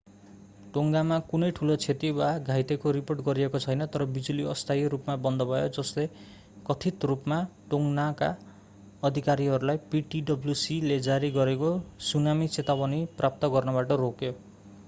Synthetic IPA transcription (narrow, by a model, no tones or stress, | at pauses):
ʈoŋɡamakunʌjʈʰulot͡sʰet̪iwaɡʱajt̪ekoɾiporʈɡʌɾiekot͡sʰʌjnʌt̪ʌɾʌbid͡zuliʌst̪ʰajɾupmabʌnd̪ʌbʱʌjod͡zʌsle | kʌt̪ʰit̪rupmaʈoŋɡnaka̰ | ʌd̪ʱikaɾiɦʌɾulajpiʈiɖʌbljusiled͡zaɾiɡʌɾekosunamit͡set̪abʌniprap̚t̪ʌɡʌrnʌbaʈʌrokjo